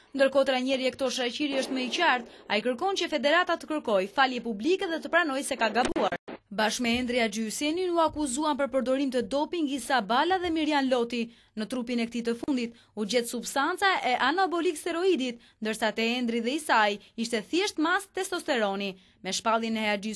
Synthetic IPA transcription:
nd̪əɾkɔt̪ɾaɲɛɾiɛkt̪ɔʃɾat͡ɕiɾiəʃt̪mɛicaɾt̪aikəɾkɔncəfɛd̪ɛɾat̪at̪əkəɾkɔjfaljɛpublikɛðɛt̪əpɾanɔjsɛkaɡabuaɾbaʃkmɛɛnd̪ɾiad͡ʒysɛniuakuzuanpəɾpəɾd̪ɔɾimt̪əd̪ɔpiŋɡisabalaðɛmiɾjanlɔt̪i | nət̪ɾupinɛk̚ət̪it̪əfund̪it̪̚ | ud͡ʑɛt̪subst̪ant͡saʔɛʔanabɔlikst̪ɛɾɔid̪it̪ | nd̪əɾsat̪ɛɛnd̪ɾiðɛisajiʃt̪ɛθjɛʃt̪mast̪ɛst̪ɔst̪ɛɾɔni | mɛʃpalˠjinɛhɛad͡ʒys

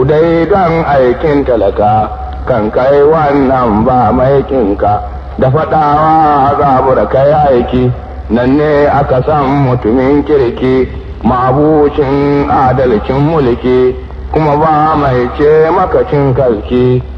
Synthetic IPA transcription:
dajdɐŋʔajkʲɪntɐlɐkaː | kɐŋkajwɐnːɐmbaːmajkʲʼɪŋka | daɸɐɗawaːazabʊɽakajʔajkʲiː | nɐnːeːʔakasɐmːʊtʊmɪŋkʲɪɽkʲiː | mabuːt͡ʃɪŋʔadɐlkʲɪmːʊlkʲiː | kʷʊmabaːmajt͡ʃeːmɐkɐt͡ʃɪŋkɐlkʲiː

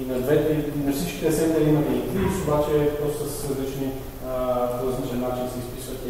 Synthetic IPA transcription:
inɐd̪vɛt̪ɛnɐfsit͡ʃkʲi̥t̪ɛsɛnd̪ɛɾimɐnit̪isobat͡ʃɛpɾɔst̪əssɾɐzlit͡ʃni | d̪ɾɐzlit͡ʃɛnːat͡ʃinsɛispisvɐt̪ʲi

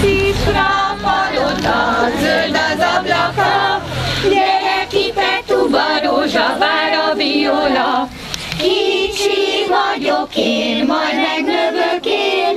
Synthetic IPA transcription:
t̪iprɒpɒlot̪ɒzøld̪ɒzɒblɒkɒjɛɾɛkipɛt̪ubɒɾoːʒɒvaːɾɒvijolɒ | kit͡ʃivɒɟokeːnmɒjd̪mɛɡløvøkeːn

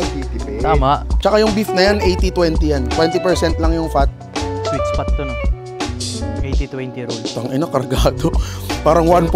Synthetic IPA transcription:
bit̪t̪aːmaʔt͡ʃɐkajʊŋbifnɐjanʔejt̪it̪wɛnt̪ijant̪wɛnt̪ɪpɛɹsɛnt̪lɐŋjʊŋfat̪̚ | swiksfat̪̚d̪ʊn | sʔejt̪it̪wɛnt̪iɾolt̪ɐŋʔɪnakɐɾɡaːd̪opaːɾɐŋwanp

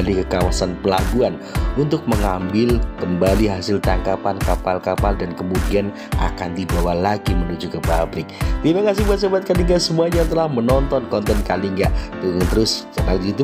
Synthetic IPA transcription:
likəkawasanpəlaɡuan | unt̪ʊk̚məŋambɪlkəmbaliɦasɪlt̪aŋkapankapalkapaldankəmudian | a̰kandibawahlaɡimənud͡ʒukəpabɾɪk̚t̪imakas̬ɪhbuat̪səbat̪̚kaliŋɡasəmuaɲat̪əlahmənɔnt̪ɔnkɔnt̪ɛnkaliŋɡaʔt̪ŋt̪əɾʊst͡ʃənalɡit̪u

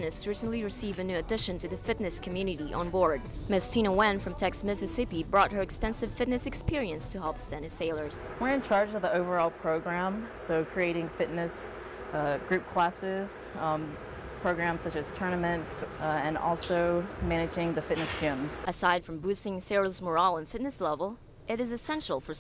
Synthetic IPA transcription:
nɨsɹisə̃n̩ʔliɹɨsivɨnʉɨdɪʃɨ̃ntʰɨðɨfɪtⁿnɨskʰm̩jʉnɨɾiʔə̰̃nbɔɹd̚mɪstʰĩnəwɛ̃nfɹʌ̃mtʰɛksmɪsɨsɪpibɹɔt̚hə˞ɨkstɛ̃nsɨv̥fɪtⁿnɨsɨkspɪɹiɨ̃nstʰɨhɛlˠpstɛ̃nɨ̥seɪlˠə˞z̥wɪɹɨ̃nt͡ʃʰɑɹd͡ʒʌvðioʊvə˞ɔlˠpʰɹ̥oʊɡɹæ̃msoʊkʰɹ̥ieɪɾɪ̃ŋfɪtⁿnɨs | ɡ̥ɹʉp̚kʰl̥æsɪz̥ | pʰɹ̥oʊɡɹæ̃msʌt͡ʃɨz̥tʰɜ˞nɨmɨ̃ntsɨ̃nɔ̰lˠsoʊmænɨd͡ʒɪ̃ŋðɨfɪtⁿnɨsd͡ʒ̥ɪ̃mz̥ʔɨsaɪd̥fɹʌ̃mbʉstɪ̃ŋsɛɹozmə˞ɔlˠə̃nfɪtⁿnɨslɛvl̩ˠ | ʔɨɾɨzɨsɛ̃nʃl̩ˠfə˞

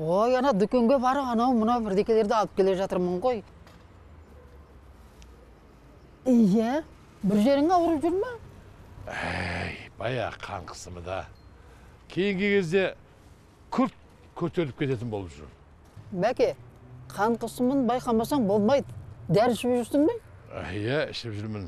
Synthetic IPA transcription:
wojɑnɑd̪ʏkʲe̞ŋɡʲe̞bɑɾəpɑnɑwmʊnɑwbɪɾd̪e̞kʲe̞le̞ɾd̪ɑlˠəp̚kʰʲe̞le̞ʒɑt̪əɾməɴʁo̞j | jæ | bɪɾʒe̞ɾɪŋɑwəɾəpʒʊɾmɑ | æjb̥ɑjɑ̰qʰɑ̰ɴqʰə̥səmə̰d̪ɑ̰ | kʲʰe̞jɪŋɡʲekʲʰe̞zd̪e̞ | kʲʰʏɾt̪̚ | kʲʰɵɾt̪e̞ɾlɪp̚kʲe̞t̪e̞t̪ɪnbo̞lˠʒʊ̰ | mækʲe̞qʰɑɴqʰəsəmənbɑjqʰɑmɑsɑɴbo̞lˠmɑjd̪əd̪æɾʃɪbʒʏɾsɪnben̰jæɪ̰ʃɪpʒʏɾmɪn

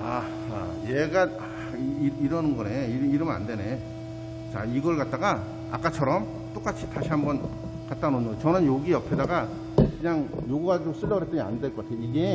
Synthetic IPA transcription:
a | a̰jeɡa | iɾʌnɯnɡʌne̞iiɾɯmɯa̰ndwe̞ne̞ | t͡ɕaiɡʌɭkat̚t͈aɡa | a̰k͈at͡ɕʰʌɾʌm | t͈ok͈at͡ɕʰi̥taɕʰiɦambʌn | kat̚t͈anoɲojt͡ɕʌnɯnjoɡiʌpʰedaɡa | kɯɲaŋjoɡuɡad͡ʑiɡos͈ɯɭːʌɡɯɾet͈eɡea̰ndweɭkʌk͈atʰejoiɡe̞

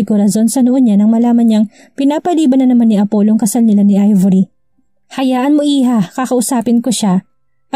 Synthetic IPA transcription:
ɪɡʊɾɐzo̞nsɐnoʔonɲanɐŋmɐlaːmɐnɲɐŋ | pɪnaːpɐliːbɐnɐnɐmanːiʔɐpo̞ːloŋkɐsalnɪlanɪʔajvɐɾi | hɐjaːʔɐnmoʔiːɦakɐkɐʔʊsaːpɪnkoʃa

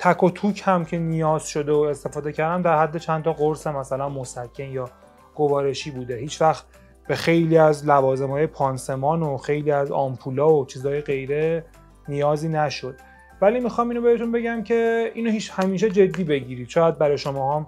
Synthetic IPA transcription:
t̪ʰækʰot̪ʰuːcʰhæmcʰe̞nijɒːz̥ʃo̞d̪eoe̞st̪e̞fɒːd̪e̞cʰæɾd̪æmd̪æɾhæd̪ːe̞t͡ʃʰænt̪ʰɒːɣoɾsemæsælænmosæcʰːenjɒː | ɡ̥ovɒːɾe̞ʃiːbuːd̪ehiːt͡ʃʰvæxt̪ | b̥e̞xe̞jliːæzlævɒːze̞mhɒːjepʰɒnse̞mɒːnoxe̞jliːæzɒ̰mpʰuːlɒːot͡ʃʰiːzɒːjeɣe̞jɾe̞ | nijɒːziːnæʃo̞d̪̥̚ | væliːmixɒmiːnobeɾet̪unbe̞ɟæmcʰe̞iːnohiːt͡ʃhæmiːʃ̬ed͡ʒe̞d̪ːiːbe̞ɟiːɾid̪̥ʃɒːjæd̪̚bæɾɒːjeʃomɒːhɒm

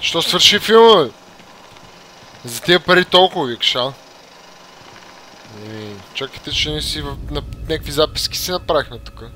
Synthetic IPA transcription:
ʃt̪ɔsvəɾʃifilˠmə | zɐt̪iəpɐɾit̪olˠkʊvəvikʃa | ɛit͡ʃakə̥jt̪ɛt͡ʃɛnɛsivɐnɐnʲakkvizapi̥skʲi̥sinɐpɾavixnɛt̪u̥kə

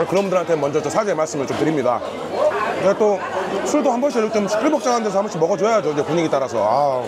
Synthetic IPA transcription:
ɭkɯɾʌbundɯɾɦantʰemʌnd͡ʑʌt͡ɕ͈osʰad͡ʑeemaɭs͈ɯmɯɭt͡ɕ͈omtɯɾimɲida̰ | t͡ɕeat͈osʰuɭdohambʌnɕʰit͡ɕomʰp͈ʰiɭbʌk̚t͡ɕ͈aŋɦandes̬ʰʌambʌɕʰimʌɡʌt͡ɕoʌjad͡ʑoid͡ʑepuɲiɡit͈aɾasʰʌ̰a

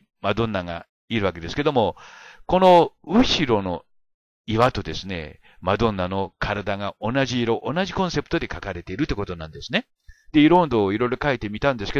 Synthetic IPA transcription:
mad̪õ̞nːaŋa̰ | iɾɯ̟βake̞d̪esɨ̥ke̞d̪o̞mo̞ko̞no̞ɯ̟ɕiɾo̞no̞̰ | iβat̪o̞d̪e̞sɨne̞̰ | mad̪õ̞nːano̞kʰaɾad̪aŋaonaʑiːɾo̞ʔonaʑikõ̞ɰ̃se̞pɯ̥t̪o̞d̪e̞kakaɾe̞t̪e̞iɾɯ̟t̪ːekot̪onã̰nd̪e̞sɨne̞ | d̪̥e̞iɾõ̞nd̪o̞ːiɾo̞iɾo̞kait̪e̞mʲit̪ãnd̪e̞sɨ̥ke

